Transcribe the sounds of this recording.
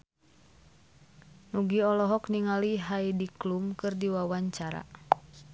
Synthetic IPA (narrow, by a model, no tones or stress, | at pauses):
nuɡiɔlɔɦɔkniŋaliɦaidiklumkɨrdiwawaɲt͡ʃaɾa̰